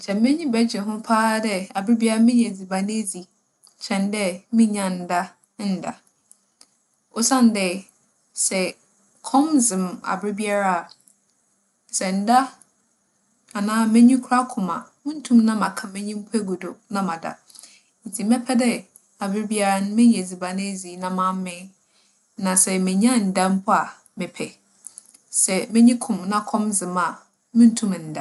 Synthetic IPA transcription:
t͡ɕʰɛ̃˨m˦mɛ̃˦ɲĩ˦bɛ˦d͡ʑɪ˨ɦʊ̃˦pʰaː˦dɛ˦a˨bɾɪ˦bi˦a˦ɾa˦mɪ̃˦ɲ˨ɛ˨d͡zi˨ba˨nẽ˦d͡zi˨ | t͡ɕʰɛ̃˨ndɛ˦mĩ˦ɲã˨n̩˨da˦ | n̩˦˨da̰˨ | ɔ˨sã˦n˨dɛ˨ | sɛ˨ | kʰɔ̃˦mzɪ̃˨ma̰˨bɾɪ˦bi˦a˦ɾa˦˨ | sɛ˨n̩˨da˦ | a˨nãː˦mɛ̃˦ɲĩ˦kʰu˦a˦kʰʊ̃˨ma˨mũ˦n̩˦tʰũ˦mnã˦mã˨kʰã˨mɛ̃˦ɲĩ˦m̩˦pʰu˦ɛ˦ɡu˨dʊ˨nã˦mã˨da̰˨ | n̩˨tʰi˨mɛ̃˦pʰɛ˦dɛ˦ | a˨bɪ˦ɾɪ˦bi˦a˦ɾa˦nʊ̃˦mɪ̃˦ɲ˨ɛ˨d͡zi˨ba˨nɪ̃˦˨zi˨˦nã˨mã˦m˦mɪ̃˦ | nã˨sɛ˨mɪ̃˨ɲ˦ã˦˨n̩˨dã˦m̩˦pʰʊ˦a˨ | mɪ̃˨pʰɛ˨ | sɛ˨mɪ̃˦ɲĩ˦kʰʊ̃˨mnã˦kʰɔ̃˦mzɪ̃˨ma˨ | mũ˦n̩˦tʰũ˦m˨n̩˨da˨

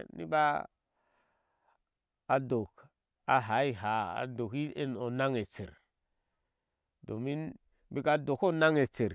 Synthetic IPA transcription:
nḭ˦ba˦ | a˨do˨k | a˨ɦa˨˦i˦ɦa˨˦a̰˨do˨ki˦e˦no˨na˦ŋe˨t͡ʃe˨ɾ | do˨mi˦n | bi˦ka˦do˨ko˦na˦ŋe˨t͡ʃe˨ɾ

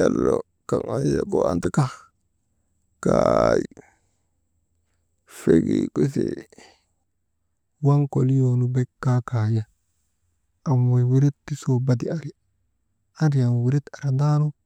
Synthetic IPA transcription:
a˨lːo | ka˨ŋa˦n˦se˨ko˨a̰˨nti˦ka˦ | kaji | feɡḭku˦sḭ | wa˦ŋko˨li˦jo˨nu˨be˦kːa˦ka˨ja˦ | a˨mwo˨wi˦ɾi˦tti˦so˨ba˦di˨a˨ɾi˨˦ | a˦ɾi˨ja˨n˨wi˨ɾi˦ta˨ɾa˨da˦nu˦

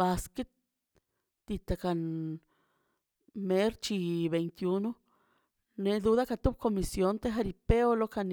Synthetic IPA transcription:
ba˧ski˦t̪ | d̪̥i˧t̪a˨˧ka˧˨n | me˦ɾt͡ʃi˧be˨jnt̪ju˧nu˦ | ne˧d̪u˧ða˦ka˧t̪u˦b̚ko˧mi˧sjo˧˦nt̪e˦xa˧ɾi˧pe˦o˦lo˦ka˧n

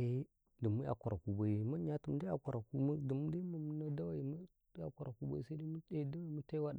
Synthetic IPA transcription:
e˦ | də˨mu˦a̰˨kʷa˨ɾa˨ku˨ba˨i˨ma˦ɲa˦tu˨m˦da˦a̰˨kʷa˨ɾa˨ku˦mə˦də˨m˦da˦ma˨mu˦na˦da˦wa˨i˨m˦ | a˨kʷa˨ɾa˨ku˦ba˦i˨sa˦di˦mu˦e˦˨˦da˦wa˨i˨mu˦ta˦wa˦da˨

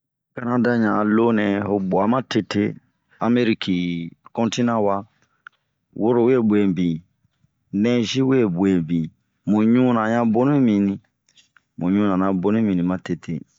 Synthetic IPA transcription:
ka˦nã˦da˦ɲã˨lo˦nɛ̃˨ɦo˨bɔ˨a˨˦mã˦te˦te˦ | a˨me˦ɾi˦ki˨kɔ̃˦nti˦nã˦wa˦ | wo˦ɾo˨we˦bwe˨bĩ˨ | nɛ̃˦ʒi˦we˦˨bwe˨bĩ˨ | mũ˨ɲũ˦nã˨ɲã˦bo˦nũ˦mĩ˨nĩ˦ | mũ˨ɲũ˦nã˨nã˨bo˦nũ˦mĩ˨nĩ˨mã˦te˨tʰḛ˦

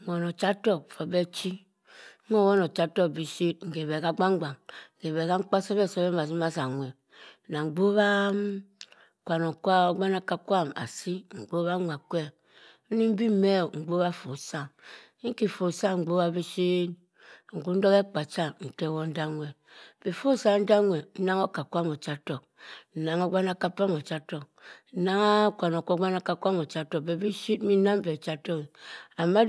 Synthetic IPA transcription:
o˨no˨t͡ʃa˦tɔ˦˨kfo˨be˦t͡ʃi˦ | o˦˨wo˦no˨t͡ʃa˦tɔ˦bi˨si˦tŋ̩˨ɡe˨be˨ka˦ɡ͡ba˦ŋ˦ɡ͡ba˨ŋ̩˨ɡe˨βe˨ka˦ŋ̩˦k͡pa˦so˦be˦˨so˦be˦ma˨s̬i˦ma˦sa˨ŋʷ˨e˨ | na˨ŋ͡mɡ͡bo˦βa˦ | kʷa˨no˨kʷa˦o˦ɡ͡ba˦na˦ka˦kʷa˦˨ma̰˨si˦ŋ͡m̩˨ɡ͡bo˦βa˦ŋʷa˨kʷe˦ | m̩˦ni˦m̩˦bi˦me˦˨ŋ͡m̩˨ɡ͡bo˦βa˦fo˨sa˦ | ŋ̩˦ki˦˨fo˨sa˦ŋ͡m̩˨ɡ͡bo˦βa˦bi˦ʃi˦t | ŋ̩˨ku˦n̩˦do˦ke˦k͡pa˨t͡ʃa˦n̩˨te˦˨wo˦n̩˦da˦ŋʷe˨b̥e˨fo˦sa˨n̩˦da˦ŋwe˨n̩˦na˦ŋo˦ka˨kʷa˦mo˨t͡ʃa˦to˨k̚ | n̩˨na˨ŋo˦ɡ͡ba˦na˦ka˦pa˦mo˨t͡ʃa˦to˨k̚n̩˨˦na˦ŋa˦kʷa˨no˨kʷo˦ɡ͡ba˦na˦ka˦kʷa˦mo˨t͡ʃa˦to˨k̚be˨bi˦ʃi˦t̚mi˦na˦m˦be˨t͡ʃa˦to˦ki˨a˨mːa˦

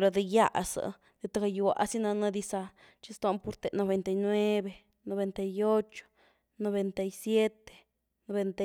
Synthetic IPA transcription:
ɾa˧d̪i˧ja˦ʔsa̰˨ | d̪̥e˧t̪a˧ɡa˧ju˧wa̰˨ʔa̰˦si˦na˧na˧d̪i˧sa˧ | t͡ʃi˧st̪a˧˦mpu˧ɾt̪e˨no˧be˧nt̪a˧jnwe˦be˨˧ | no˧be˧nt̪a˧jo˦t͡ʃo̥˨ | no˧be˧nt̪a˧jsje˦t̪e̥˨ | no˧be˧nt̪a˧

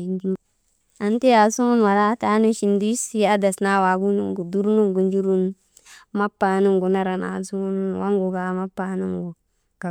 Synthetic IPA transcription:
nd͡ʒu˦ | a˨n˦te˦a˨˦su˦ŋu˦nwa˨ɾa˦ta˦nu˦ʃi˨ndu˦i˦sa˦da˨sna˦wa˨ɡu˦nu˦ŋɡu˨du˦ɾnu˦ŋɡu˨nd͡ʒu˦ɾu˦n | ma˦pːa˨nu˦ŋɡu˨na˦ɾa˨na̰˨su˦ŋu˦nwa˦ŋɡu˨ɡa˨˦ma˦pːa˨nu˦ŋɡu˨ | ka˨

